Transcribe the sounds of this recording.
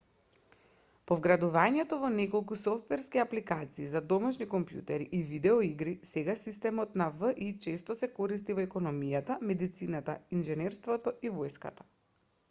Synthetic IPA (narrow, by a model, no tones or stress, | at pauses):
pɔvɡɾad̪uvaɲɛt̪ɔvɔnɛkɔlˠkusɔft̪vɛɾskiaplikat̪siːzad̪ɔmaʃnikɔmpjṵt̪ɛɾiʔivid̪ɛɔiɡɾisɛɡasist̪ɛmɔt̪navəʔit͡ʃɛst̪ɔsɛkɔɾist̪ivɔɛkɔnɔmijat̪amɛd̪it̪sinat̪ainʒɛnɛɾst̪vɔt̪ɔʔivɔjska̰t̪ḁ